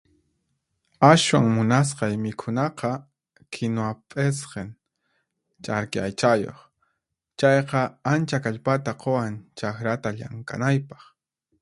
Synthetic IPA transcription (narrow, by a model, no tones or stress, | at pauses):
aswaŋmʊnas̬qɑjmɪkʰʊnɑqɑ | kʰɪnoapʼesqen | t͡ʃʼaɾkɪa̰jt͡ʃajo̰χ | t͡ʃɑjqɑant͡ʃakaʎpat̪aqowant͡ʃaxɾat̪aʎa̰ŋkʼa̰najpɑ̥χ